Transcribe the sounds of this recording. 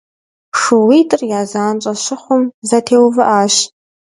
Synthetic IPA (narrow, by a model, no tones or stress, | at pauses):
ʂɨwiːtʼɨrjaːzaːnt͡ʃʼɐɕɪχʷʊmzɐtʰeːwvɨʔaːɕ